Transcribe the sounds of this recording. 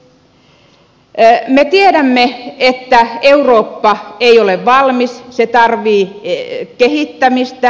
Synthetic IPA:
met̪ieɾæmːeet̪ːæeuroːpːɑeioleʋʋɑlmisset̪ɑrʋiːkeɦit̪ːæmist̪æ

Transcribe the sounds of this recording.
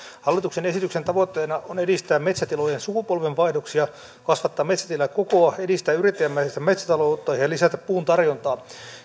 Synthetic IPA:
hɑlːit̪uksenesit̪yksent̪ɑʋot̪ːeːnɑʔonedist̪æːmet̪sæt̪ilojensukupolʋeɱʋɑidoksiɑ | kɑsʋɑt̪ːɑːmet̪sæt̪ilːækokoɑedist̪æːyrit̪ːejæmːæisest̪æmet̪sæ̥t̪ɑloːt̪ːɑːhijɑlisæt̪æppuːnt̪ɑrjont̪ɑː

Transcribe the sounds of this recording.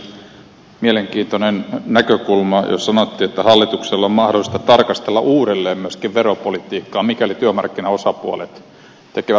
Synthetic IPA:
mieleŋkiːnt̪onennækøkulmɑjo̰ssɑnot̪ːiːet̪ːæhɑlːit̪ukselːommɑhdolˑist̪ɑt̪ɑrkɑst̪elːɑ̰ʔuːɾelːeːmmyøskiʋʋeɾopolit̪iːkːɑːmikælit̪yømɑ̰rkːinɑo̞sɑpuo̰lḛt̪ | t̪ekeʋæt̪

